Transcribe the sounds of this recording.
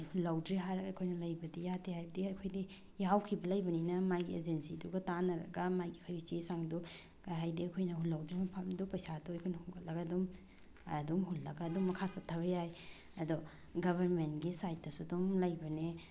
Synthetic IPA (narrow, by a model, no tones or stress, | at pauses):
hulːawdɾeɦaɾɐɡɐkʰojnɐlɐjbɐdijatʰehajbɐdiɐkʰojdi | jawkʰibɐlɐjbɐninɐmajɡiḛd͡ʒensiduɡɐtanɐɾɐ̰ɡɐmajɡikʰojit͡ʃesaŋdu | kaɦajdiɐkʰojnɐɦulːawdɾimɐpʰamdupɐjsatojkʰojnɐhuŋɡɐlːɐɡadum | ɐdumɦulːɐɡaːdumːɐkʰasɐtʰːɐβɐjaj | ɐdɔ | ɡɐbʱɐɾmentɡisajt̚dɐsudumlɐjbɐne